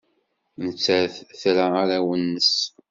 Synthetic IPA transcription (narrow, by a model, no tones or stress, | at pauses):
nət͡sːæɾθθɾaaɾawənːəs